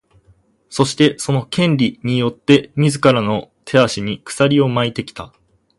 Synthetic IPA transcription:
so̞ɕi̥t̪e̞so̞no̞kẽ̞nɾʲiɲ̟ijo̞t̪ːe̞mʲizɨkaɾano̞t̪ʰe̞aɕiɲ̟ikɯ̥saɾʲio̞mait̪e̞kʲi̥t̪a

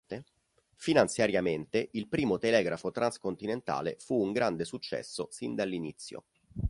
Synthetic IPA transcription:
t̪e | finant̪sjaɾjament̪eʔilpɾiːmot̪elɛːɡɾafot̪ɾanskont̪inent̪a̰ːlefuːŋɡɾand̪esut͡ʃːɛ̰sːosind̪alːinit̪sːjo̰

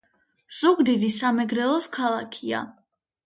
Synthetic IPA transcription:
z̥uɡd̪id̪isamɛɡɾɛlˠɔskʰalˠakʰia̰

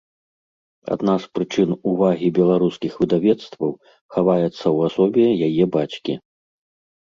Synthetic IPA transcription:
a̰d̪naspɾɨt͡ʂɨnuvaɣʲibʲɛlˠaɾuskʲixvɨd̪avʲɛt̪st̪vɐw | xavajɛt̪sːɐwasɔbʲɛjajɛbat͡ɕkʲḭ

